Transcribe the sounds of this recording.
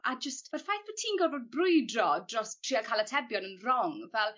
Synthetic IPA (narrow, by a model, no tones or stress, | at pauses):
ad͡ʒəstvərfajθbətʰiːnɡɔrvoːd̚brʊjdrɔdrɔstʰr̥iːakʰalˠətʰɛbjɔnənrɔŋvɛlˠ